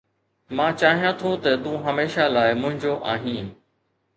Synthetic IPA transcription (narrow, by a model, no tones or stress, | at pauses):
mãːt͡ɕaːɦijãt̪ʰot̪ɐt̪ũːɦəmeːʃalaːɪmʊ̃ɦɪ̃ɲd͡ʑoʔaːɦĩː